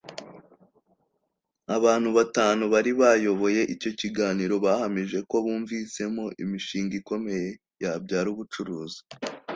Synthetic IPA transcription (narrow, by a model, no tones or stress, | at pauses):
aβaːn̥huβataːnuβaɾiβajo̞βo̞je̞ʔico̞ciɡaːniɾo̞βaːhamiʒe̞ko̞βuːɱvise̞mo̞ʔimiʃiːŋɡiko̞me̞je̞ | jabɟaːɾuːβut͡ʃuɾuːzi